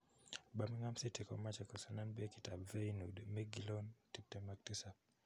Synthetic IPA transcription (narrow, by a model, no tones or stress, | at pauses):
bamiŋamsitikɔmat͡ʃɛkɔsananbɛkitabvɛjnudmɛɡilɔntip̚tɛmak̚tisa